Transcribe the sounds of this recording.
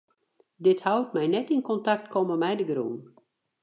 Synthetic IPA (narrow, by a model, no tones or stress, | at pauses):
dɪthawt̚mɛjnɛtinkɔntak̚tkʰɔməmɛjdəɡrṵːn